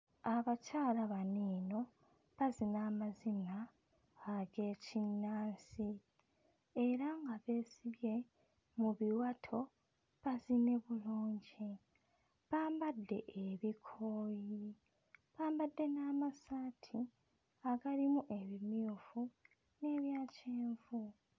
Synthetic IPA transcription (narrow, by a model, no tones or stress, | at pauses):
aβacaːlaβaniːno̞ | βazinaːmazinaː | ɡe̞ːcinːaːnsi | eɾaŋɡaβe̞ːsiβje̞ | muβiwatʰo̞ | βazine̞βuloːɲɟi | βaːmbadːe̞ʔeβikʰoːji | βaːmbadːe̞naːmasaːtʰi | aɡalimuʔe̞βimjufu | ne̞ːβjaːceːɱvu